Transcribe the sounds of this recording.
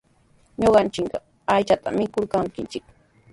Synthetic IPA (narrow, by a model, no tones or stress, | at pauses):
ɲoɢɑnt͡ʃɪkɢɑ | ajt͡ʃat̪a̰mɪkoɾkaŋkɪnt͡ʃɪk̚